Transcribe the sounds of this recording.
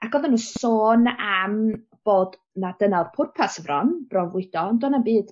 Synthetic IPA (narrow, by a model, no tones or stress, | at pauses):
akɡ̥ɔðənusoːnam | b̥oːd | nad̥ənawrpʰʊrpʰasəvrɔnb̥rɔvʊd̥ɔndɔnambiːd̥